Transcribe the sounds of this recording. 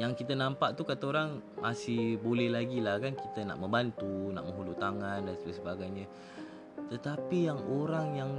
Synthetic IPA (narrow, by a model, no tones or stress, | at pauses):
jaŋkit̪ənampaʔt̪ukat̪aoɾaŋmasɪhbolɛhlaɡilahkankit̪əna̰ʔməmbant̪una̰ʔmə̃ŋɦulut̪aŋandanspəsəbaɡajɲə | t̪ət̪apijaŋoɾaŋjaŋ